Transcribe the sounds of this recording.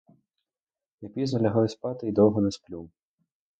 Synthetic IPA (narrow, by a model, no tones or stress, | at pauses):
japʲiznɐlʲɐɦajɛspat̪ɪid̪ɔwɦɔnɛsplʲuw